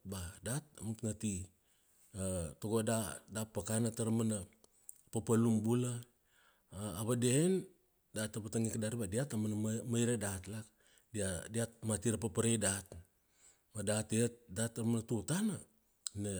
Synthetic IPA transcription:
badat̚amutŋati | atoɡodadapːakanataɾamana | papalumbulaː | βadien | datapataŋikadaɾibadiatamanmajɾedatlak | diadiat̚matiɾapapaɾejdat | madateet̚datːaɾmanatutana | na

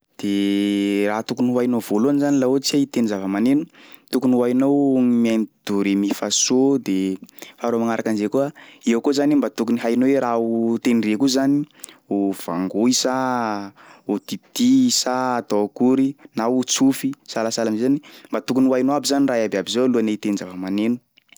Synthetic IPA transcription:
d̪̥e | raɦt̪ukunuwajnovoloanzanilaot͡siait̪enizavəmanenut̪ukuniwajnowmianid̪̥uɾemifasod̪efaɾoamaŋaɾakand͡ʒekuaiakozanimbat̪ukuniɦajnoweɾaut̪enrekuzaniuv̥aŋɡoisa | ot̪it̪isat̪oakuɾinaut͡sufisalasalamzezanimbat̪ukunuwajnoabizaniraɦjababizoluanait̪enizavəmanenu̥

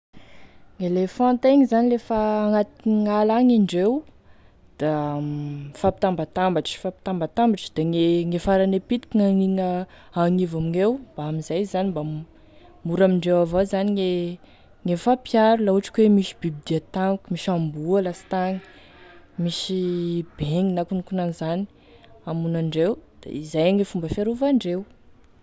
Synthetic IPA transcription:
ŋelefɔ̃nt̪eŋizanilefaːŋat̪iŋalaŋiɳɖ͡ʐew | d̪̥a | fapit̪ambat̪ambaʈ͡ʂfapi̥t̪ambat̪ambaʈ͡ʂd̪̥aŋeŋefaɾanepit̪i̥kiŋaŋiŋə | aŋivamiŋewb̥aamizajzaniba | muɾamiɳɖ͡ʐewavazaniŋe | ŋefapjaɾulauʈ͡ʂi̥kwemiʃi̥bibid̪iat̪amkumiʃambualasi̥t̪aŋə̥ | miʃib̥eŋinakunukunanzani̥ | amunaɳɖ͡ʐewd̪̥a̰izajaŋefumbəfeɾuvaɳɖ͡ʐew

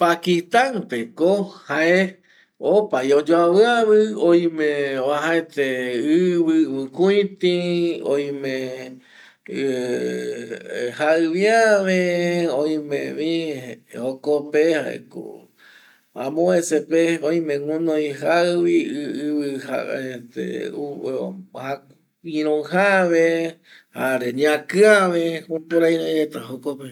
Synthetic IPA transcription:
pakit̪aŋpekohae | opaiod͡ʒoaβɨaβɨojmẽβaɦaet̪eɨβɨɨ̃kuĩt̪io̰jmẽ | haɨβiaβeojmḛ̃βĩhokopehaḛko̰ | ãmõesepeojmẽŋũnoj̃ɦaɨβiɨβɨha̰et̪ḛ | ha | ĩɾõɦaβehaɾeɲãkɨaβehũpoɾajɾẽet̪aɦokope

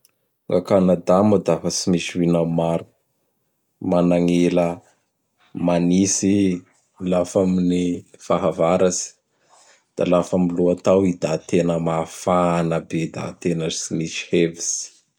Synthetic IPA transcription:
ŋakanad̪amud̪afəsimisiwinawmaɾu̥ | manaŋelə | manisi | lafaminifaɦavaɾazi̥ | d̪̥alafamiluat̪awid̪at̪enəmafanəbed̪a̰t̪enəsimisi̥hevis

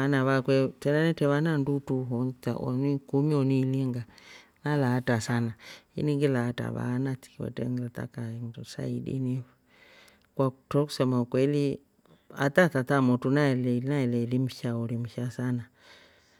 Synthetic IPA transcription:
anaβakwɛtɛnanɛtɛβanandutuɦɔnt͡ʃa̰ʔɔ̰nikumiɔniliŋɡanalaːtasanaḭniŋɡilaːta̰βa̰nati̥kiwɛ̰tɛ̰ŋlat̪a̰kaŋdusa̰idḭni | kwatɔku̥sɔmakwɛli | a̰t̪atat̪amɔtunaɛlɛnaɛlɛlim̩ʃaɔɾimuʃasana

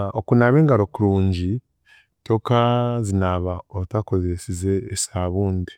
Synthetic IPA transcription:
okunaβe̞ːŋɡaɾokuɾuːɲɟi | to̞kazinaβaotako̞zesizeːsaβuːndi

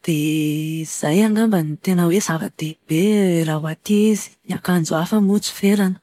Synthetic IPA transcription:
d̪̥e | z̥ajaŋɡambənit̪enəwez̥avad̪̥eb̥eɾawat̪izi̥iakand͡zuafəmut͡su̥felanə̥

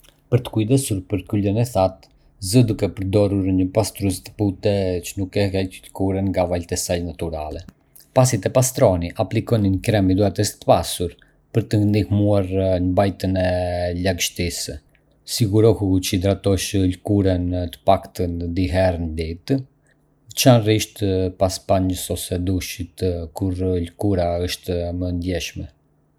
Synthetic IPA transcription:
pəɾt̪ə̥kujd̪ɛsuɾpəɾkylənɛθat̪ | zəd̪ukɛpəɾd̪ɔruɾɲəpast̪ɾust̪ə̥put̪ɛt͡ʃənukɛkɛəlkuɾənŋɡavalt̪ɛsajnat̪uɾalɛ | pasit̪ɛpast̪ɾɔniʔaplikɔninkɾɛmid̪uat̪əst̪ə̥pasuɾ | pəɾt̪ənd̪ihmuaɾnəbajt̪ənɛlaɡʃt̪is | siɡuɾɔhut͡ʃəid̪ɾat̪ɔʃlkuɾənt̪ə̥pakt̪ənd̪iɦɛɾənd̪it̪ | t͡ʃanriʃt̪paspaɲəsɔsɛd̪uʃit̪kuɾlkuɾaəʃt̪mənd̪jɛʃmɛ

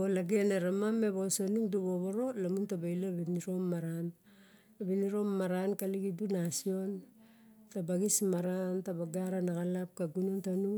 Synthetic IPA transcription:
olaɡe̞neɾamame̞βosanuŋduβoβoɾo̞lamuntabajlaβiniɾo̞mːaɾan | abiniɾo̞mmaɾankaliɡidunasio̞n | tabaɡismaɾantabaɡaɾanakalap̚kaɡunontanuŋ

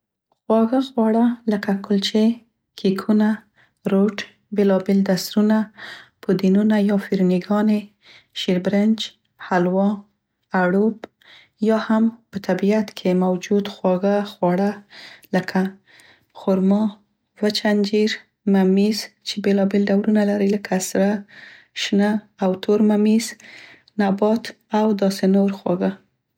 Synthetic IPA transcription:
xwɑɣaxwɑɽaləkakʰʊlt͡ʃe | kʰikʰuna | ɾoʈ | belɑbeld̪asɾunapod̪inunajɑfiɾniɡɑne | ʃiɾbɾɪnd͡ʒ | halwɑ | aɽob | jɑhampət̪ʰabiat̪kʰemawd͡ʒud̪xwɑɣaxwɑɽaləkʰa | xʊɾmɑ | vət͡ʃand͡ʒiɾ | mamizt͡ʃebelɑbelɖawlunalaɾiləkʰasɾa | ʃnəː | wt̪ʰoɾmamiz | nabɑt̪ | awd̪ɑsenoɾxwɑ̰ɡa

